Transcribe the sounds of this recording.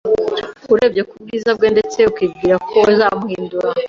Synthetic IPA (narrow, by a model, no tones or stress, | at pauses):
uɾe̞bje̞kub̚ɡiːzabɡe̞nde̞t͡se̞ukiːb̚ɡiːɾakʰo̞zaːmuhiːnduɾa